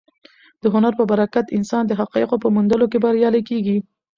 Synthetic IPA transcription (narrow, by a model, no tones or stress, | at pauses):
d̪̥əɦʊnaɾpəbaɾakat̪ɪnsɑnd̪əɦaqɑɪqopəmund̪əlokebaɾjɑlakeɡi